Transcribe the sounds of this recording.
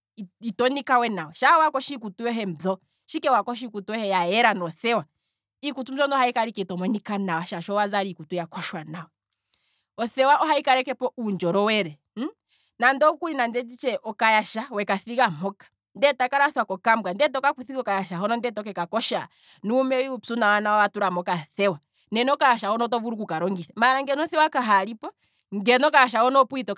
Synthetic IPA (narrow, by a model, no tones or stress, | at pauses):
itɔnikawɛnawaʃawakɔʃiːkutujɔɦɛm̩zɔ | ʃikɛwakɔʃ̬ikutuwɛhɛjaɛɾanɔθɛwa | ikutum̩zɔndɔhaikaɾikɛitɔmɔnikanawaʃaʃɔwazaɾikutujakɔʃwanawɔ | ɔθɛwaʔɔɦaikaɾɛkɛpɔʔund͡ʒɔɾɔwɛɾɛ | nandɔukuɾinandɛd͡ʒit͡ʃɛʔɔkajaʃawɛkaθiɣamɔkḁ | ndɛtakaɾaθwakɔkambwandɛt̬ɔkakuθikɔkajaʃaɦɔnɔndɛtɔk̬ɛkakɔʃa | nuːmɛiupsunawanawawatuɾamɔkaθɛwa | nɛnɛɔkajaʃahɔnɔt̬ɔvuɾukukaɾɔŋɡiʃamaːɾaŋɡɛnɔθɛwakaɦaɾipɔ | ŋɡɛnɔkajaʃ̬ahɔnɔpuitɔ